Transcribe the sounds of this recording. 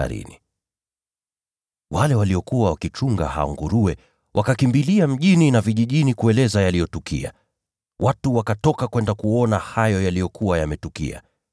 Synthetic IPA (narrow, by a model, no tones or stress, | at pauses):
a̰ɾḭni | wʔalɛwaliɔkuwawakit͡ʃuŋɡa̰ha̰ɔ̰ŋɡuɾuɛ | wʔakakimbiliam̩ʄininaviʄiʄinikuɛlɛzajalijɔtukḭa̰ | wʔatuwakatɔkakwɛndakuɔnahajɔjalijɔkʰuwajamɛtukḭa̰